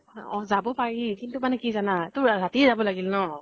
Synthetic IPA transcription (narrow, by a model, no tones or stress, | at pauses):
ɔzabɔpaɹikintumanɛkizanatʊɹatizabɔlaɡilnɔ